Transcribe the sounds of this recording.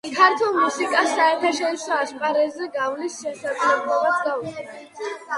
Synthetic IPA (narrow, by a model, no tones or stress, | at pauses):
kʰaɾt̪ʰulˠmusikʼasːaɛɾt̪ʰaʃɔɾisɔaʃpʼaɾɛzɛɡavlisʃɛsad̪zlɛblˠɔbasɡauɛnɛ